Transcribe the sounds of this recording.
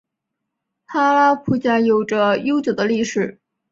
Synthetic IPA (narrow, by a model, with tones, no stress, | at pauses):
tʰa˥la˥pʰu˥˩t͡ɕja˧˥jo˨˩ʊʈ͡ʂə˧jo˥ʊt͡ɕjo˨˩ʊd̪ə˦li˥˩ʂɻ̩˨˩˦